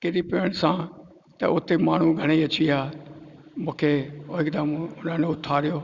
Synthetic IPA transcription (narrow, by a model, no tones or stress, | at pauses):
kɪɾipɪəɽ̃sã | t̪ɐʊt̪emaːɳ̤ũɡʱɐɽ̃iɐt͡ɕiaː | mũːkʰeoɦɪkd̪əmʊnə̃neʊt̪ʰːaːɾɪjoː